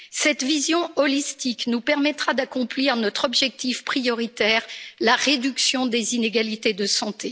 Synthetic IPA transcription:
sɛt̪vizjɔ̃ɔlist̪iknupɛʁmɛt̪χad̪akɔ̃pliʁnɔt̪χɔbʒɛk̚t̪ifpχijɔʁit̪ɛːʁlaʁed̪yksjɔ̃d̪ezineɡalit̪ed̪əsɑ̃t̪e

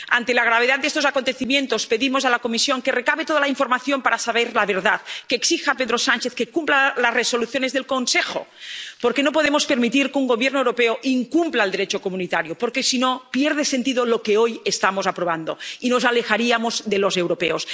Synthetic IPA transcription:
a̰nt̪elaɣ̞ɾaβ̞eðad̪d̪est̪osako̞nt̪e̞θimjẽ̞nt̪o̞speðimozalakomisjo̞ŋkerekaβet̪oðalaiɱfoɾmaθjo̞mpaɾasaβ̞eɾlaβeɾðaðkeːksixapeðɾosant͡ʃeθkekumplalazreso̞luθjonezðelko̞nsexo̰poɾkenopo̞ðemo̞speɾmit̪iɾkeuŋɡo̞βjeɾnoewɾo̞peoʔiŋkumplald̪e̞ɾet͡ʃokomunit̪aɾjopoɾkesinopjeɾð̞esent̪iðolo̞keojest̪amozapɾoβ̞and̪o̰ino̞zalexaɾiamo̞zðelozewɾopḛos

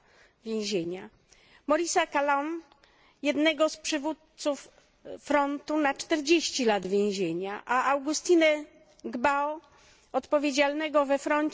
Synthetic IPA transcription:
vʲjẽw̃ʑeɲa | mɔɾʲisakalɔn | jɛd̪nɛɡɔspʂɘvut̪t̪sufː | ɾɔnt̪unat͡ʂt̪ɛɾd͡ʑeɕt͡ɕilad̪vʲjẽw̃ʑeɲaʔaʔawɡust̪inɛ | ɡbaɔ | ɔt̪pɔvʲjed͡ʑalnɛɡɔvɛfɾɔɲ

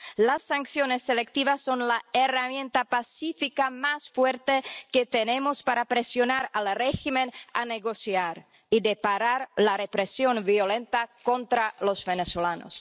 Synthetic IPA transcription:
lasːaŋksjonesːelek̚t̪iβasːonlaeramjent̪apasifikamasfweɾt̪eket̪enemospaɾapɾesjonaɾalreximena̰neɣosjaɾ | id̪epaɾaɾlarepɾesjo̞nbjolent̪akont̪ɾalosbenesolano̰s

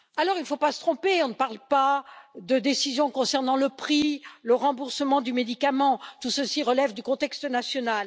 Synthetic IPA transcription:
alɔʁilfopasə̥t̪χɔ̃peɔ̃nəpaʁlpad̪əd̪esizjɔ̃kɔ̃sɛʁnɑ̃ləpχiləʁɑ̃buʁsəmɑ̃d̪ymed̪ikamɑ̃t̪usəsiʁəlɛvd̪ykɔ̃t̪ɛkst̪ənasjɔnal

